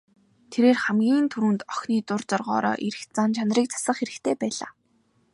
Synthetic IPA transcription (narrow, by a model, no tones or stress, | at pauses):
t̪ʰeɾeːrχæmɡʲiːnt̪ʰuɾŭːnt̪ɔxniːt̪ʊrt͡sɔrʁɔːɾɔ̰ːʔiɾɘ̆xt͡sant͡ɕʰanriːk̚t͡sʰḁsə̆χxeɾɘ̆xt̪ʰeːpæːɮa̰ː